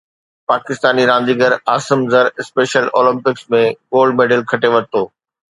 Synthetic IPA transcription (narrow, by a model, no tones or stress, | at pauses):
paːkɪst̪aːniɾãːn̆d̪iːɡəɾaːsɪmzəɾɪspeːʃəlo̰ːlɪ̃mpɪksmẽɡoːlɖmeːɖəlkʰɐʈeʋɐɾ̚t̪oː